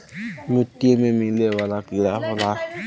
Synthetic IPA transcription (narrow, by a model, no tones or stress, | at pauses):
metiememilewalakilafʊla